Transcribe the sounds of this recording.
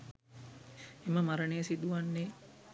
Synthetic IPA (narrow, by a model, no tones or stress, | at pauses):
eməmaɾənejəsid̪uʋanːe